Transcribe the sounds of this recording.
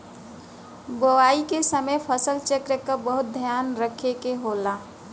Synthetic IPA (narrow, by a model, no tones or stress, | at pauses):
bəwaːikesəməjpʰəsəlt͡ʃəkɾəkːabəɦʊt̪̚d̪ʱjaːnɾəkʰekeɦoːlaː